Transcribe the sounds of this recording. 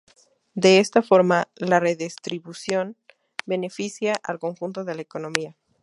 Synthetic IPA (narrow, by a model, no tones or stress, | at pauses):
d̪e̞est̪afo̞ɾmalare̞ðist̪ɾiβusjo̞n | be̞ne̞fisjaʔalko̞ŋxunt̪o̞ðe̞laeko̞no̞mia